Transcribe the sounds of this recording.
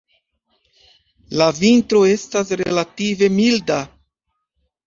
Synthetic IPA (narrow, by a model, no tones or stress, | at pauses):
lavintɾo̞e̞stasɾeḛlative̞milda